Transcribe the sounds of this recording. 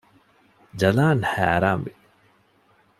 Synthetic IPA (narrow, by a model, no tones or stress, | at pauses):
d͡ʒɐlaːnhæ̰ːɾaːmʋi